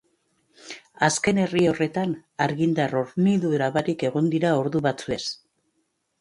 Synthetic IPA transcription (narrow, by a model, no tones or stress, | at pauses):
aske̞ne̞rio̞re̞t̪anaɾɣind̪aro̞ɾmiðueɾaβaɾike̞ɣ̞o̞nd̪iɾao̞ɾðuβat͡sue̞s